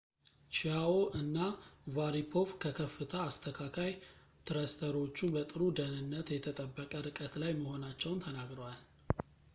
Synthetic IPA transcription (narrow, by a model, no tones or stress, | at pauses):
t͡ʃiaoʔɨnːavaɾipʰo̞fkʰəkʰəfːɨt̪ʰəːst̪ʰəkʰakʰaj | t̪ʰɨɾəst̪ʰəɾo̞t͡ʃːubət̪ʼɨɾud̪ənɨnːət̪jɛt̪ʰət̪ʼəbːəkʼəɾɨkʼət̪lajməho̞nat͡ʃːɛwnt̪ʰənaɡɾəwal